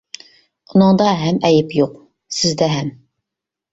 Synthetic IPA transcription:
unɨŋd̪ɑɦɛmɛjɪpjoq̚ | sɪzd̪ɛɦɛm

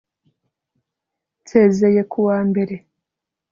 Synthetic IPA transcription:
tʰeːzejekʰuwaːmbe̞ɾe

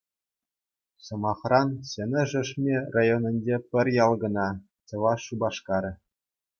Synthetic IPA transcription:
sɤ̆mɑχrɑnsʲenʲɘ̆ʐɘ̆ʂmʲerɑjonʲɘ̆nʲd͡ʑepʲɘ̆rʲjɑlˠɡɤ̆nɑ | t͡ɕɤ̆ʋɑʂubɑʂkɑɾʲɘ̆

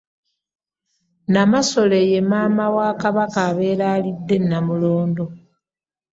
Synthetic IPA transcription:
namaso̞le̞je̞maːmawaːkaβakaːβe̞ːlaːlidːe̞nːamuloːnd̪o̞

